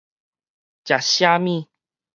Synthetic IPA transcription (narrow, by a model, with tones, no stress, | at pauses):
t͡ɕja˨ɕja˦mĩ˥˧